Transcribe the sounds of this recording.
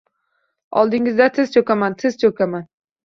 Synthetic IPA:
ɒlˠd̪ɪŋɪzd̪at̪ʰɪzt͡ʃʰokʲamant̪ʰɪzt͡ʃʰokʰʲaman

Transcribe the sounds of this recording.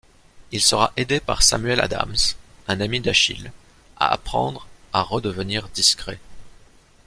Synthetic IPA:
ilsəʁaʔed̪epa̰ʁsa̰myɛla̰d̪a̰msɛ̃namid̪aʃḭl | a̰a̰pχɑ̰̃d̪ʁaʁəd̪əvəniʁd̪iskχɛ̰

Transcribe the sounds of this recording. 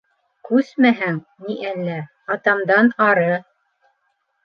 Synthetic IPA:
kʉsmæɦæŋ | niʔælːæ | ɑt̪ɑmd̪ɑnɑɾɤ

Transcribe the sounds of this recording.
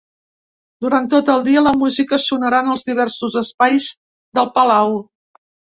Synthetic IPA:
d̪uɾant̪ot̪əlˠd̪iələmuzikəsunəɾanəlˠzðiβ̞ɛrsuzəspajz | ðəlˠpəlaw

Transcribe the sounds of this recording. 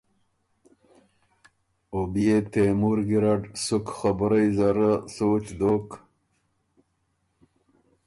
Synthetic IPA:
obijet̪emuɾɡiɾaɖsukχabɾajzaɾəsoːt͡ɕd̪oːk

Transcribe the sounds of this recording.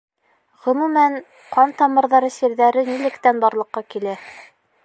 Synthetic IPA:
ʁɵ̆mumæn | qɑnt̪ɑmɤ̆ɾðɑɾɤsiɾðæɾɘnilɘ̆kt̪ænbɑɾlˠɤ̆qːɑkilæ

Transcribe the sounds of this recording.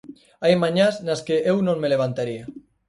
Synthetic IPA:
ajmaɲasnaskeʔewnõŋmeleβ̞ant̪aɾia

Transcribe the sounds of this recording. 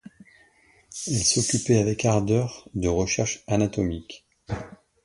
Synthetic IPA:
ɛlsɔkʲypɛavɛkaʁd̪œʁd̪əʁəʃɛʁʃanat̪ɔmik

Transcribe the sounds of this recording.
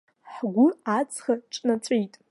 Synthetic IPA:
ħɡʷʊat͡sʰχaʈ͡ʂʼnat͡sʰʷʼejtʼ

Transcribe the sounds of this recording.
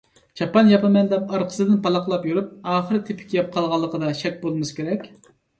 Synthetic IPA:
t͡ʃʰɑpɑnjɑpɨmɛnd̪ɛpɑɾqʰə̥sɨd̪ɪnpɑlˠɑqlˠɑpjyɾup̚ɑːχəɾɨt̪ʰepʰɪ̥kʲjɑp̚qʰɑlˠʁɑlˠːəqʰəd̪ɑʃɛk̚ʲbolˠmɨskʲʰeɾɛkʲ

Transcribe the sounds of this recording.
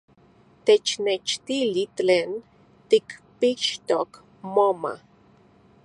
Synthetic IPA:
t̪et͡ʃnet͡ʃt̪ilit̪eːn | t̪ikpiʃt̪ok | moma̰

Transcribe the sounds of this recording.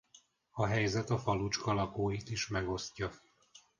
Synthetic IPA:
ɒɦɛjzɛt̪ɒfɒlut͡ʃkɒlɒkoːjit̪iʃmɛɡo̞scɒ

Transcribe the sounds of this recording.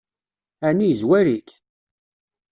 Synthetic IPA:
ænizwæɾik

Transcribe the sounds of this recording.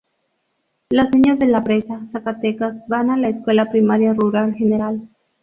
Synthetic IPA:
lazniɲazðe̞lapɾe̞sasakat̪ekazbanalaeskwe̞lapɾimaɾjaruɾalxene̞ɾal

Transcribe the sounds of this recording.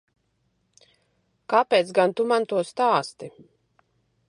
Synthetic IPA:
kapʲeːt̪sɡant̪umant̪uɔst̪aːst̪i

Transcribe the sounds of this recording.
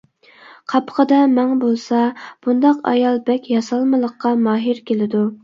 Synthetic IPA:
qʰɑpʰə̥qəd̪ɑmɛŋbolˠsɑb̥und̪ɑqɑ̰jɑlˠbɛkʲjɑsɑlˠmɨlˠəqːɑmɑːɦiɾkʲʰelɪd̪u

